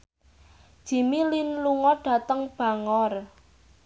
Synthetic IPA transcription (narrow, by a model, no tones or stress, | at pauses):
d̥ʒ̥i̤milinluŋɔɖ̥ä̤t̪əŋb̥a̤ŋɔr